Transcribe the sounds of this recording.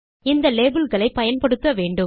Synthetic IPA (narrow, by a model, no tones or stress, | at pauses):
ɪnd̪ɐleːbɪlɣɐɭɐɪpːɐjɐnpɐɽɯt̪ːɐʋeːɳɖɯm